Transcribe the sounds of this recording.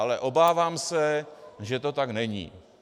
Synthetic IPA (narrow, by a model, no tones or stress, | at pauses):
alɛʔobaːvaːmsɛʒɛt̪o̞t̪aknɛɲḭː